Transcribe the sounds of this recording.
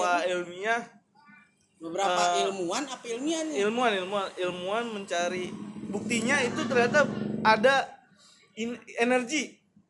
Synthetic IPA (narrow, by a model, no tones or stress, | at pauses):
ailmiah | bəbəɾaəpːailmuanapailmianilmuanilmuanilmuanməɲt͡ʃaɾibuk̚t̪iɲait̪ut̪ərdat̪ap̚ada | ienərɡi